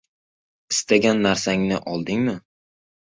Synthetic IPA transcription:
ɪst̪ʰaɡʲanːaɾsaŋnɪʔɒlˠd̪ɪŋmɪ

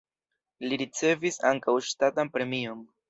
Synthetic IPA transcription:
liɾit͡se̞visa̰ŋkawʃtatanpɾe̞mio̞n

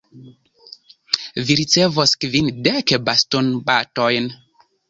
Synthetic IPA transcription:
viɾit͡sevoskvindekbastonbatojn

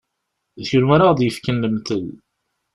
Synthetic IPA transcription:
ðçʊɾmaɾaʁd̪jəfkənːəmt̪əl

